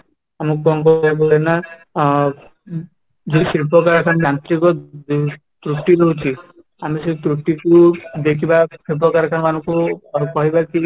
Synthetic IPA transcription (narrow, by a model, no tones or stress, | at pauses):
amɔkːɔŋkɔebolena | d͡ʒesiɾpɔkaɾkʰanɾant̪ɾikɔ | t̪ɾuʈiɾɔɦut͡ʃʰi | amiset̪ɾuʈːikud̪ekʰibasipɔkaɾkʰanɔmanɔ̃ŋkuakɔɦibaki